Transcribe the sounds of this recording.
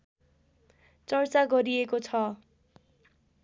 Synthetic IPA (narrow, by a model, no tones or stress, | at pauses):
t͡sʌrt͡saɡʌɾiekot͡sʰʌ